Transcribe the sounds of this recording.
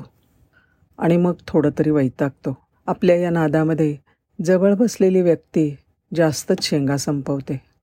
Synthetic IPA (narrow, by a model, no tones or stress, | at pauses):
a̰ɽ̃iməɡ̚t̪ʰoɽət̪əɾiːʋəjt̪ak̚t̪o | apljajanad̪aməd̪ʱːje | d͡zəʋəɭbəsleliːʋjək̚t̪iː | d͡zast̪əɕʰeŋɡasəmpəʋt̪e